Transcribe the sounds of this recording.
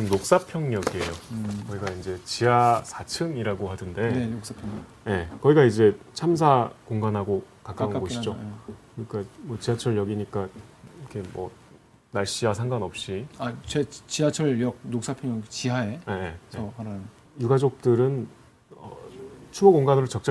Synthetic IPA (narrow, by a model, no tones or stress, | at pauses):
ɯmnok̚s͈apʰjʌŋɲʌɡie̞jokʌiɡaind͡ʑe̞t͡ɕiɦasʰat͡ɕʰɯŋiɾaɡohadɯnde̞enok̚s͈apʰʌŋɲʌ | je̞kʌiɡaid͡ʑe̞t͡ɕʰams̬ʰakoŋɡanɦaɡokak͈aunɡoɕid͡ʑokɯɲik͈amʌt͡ɕiɦat͡ɕʰʌɭjʌɡiɲik͈aikʰe̞mwʌ̰ | naɭɕ͈iasʰaŋɡanʌp̚ɕ͈iat͡ɕet͡ɕiɦat͡ɕʰʌʎjʌk̚nok̚s͈apʰjʌŋɲʌɡit͡ɕiɦaeejeʌhaɾa | juɡad͡ʑok̚t͈ɯɾɯn | ʌ̰t͡ɕʰumʌɡoŋɡanɯɾɯɭt͡ɕʌk̚t͡ɕ͈a